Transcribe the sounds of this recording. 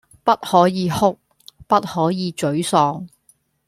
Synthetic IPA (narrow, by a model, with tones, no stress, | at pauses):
pɐ˥t̚hɔː˨˥jiː˨˧hʊ˥k̚ | pɐ˥t̚hɔː˨˥jiː˨˧t͡ʃɵ˨˥ɥsɔː˧ŋ